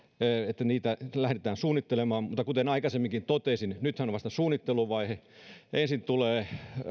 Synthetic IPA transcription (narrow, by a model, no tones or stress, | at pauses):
et̪ːæniːt̪ælæhɾet̪æːnsuːnːˑit̪ːelemɑːmmut̪ːɑkut̪enɑikɑsemːiŋkint̪ot̪esinnyt̪hænoʋɑst̪ɑsuːnːit̪ːeluʋɑihe | ensint̪uleː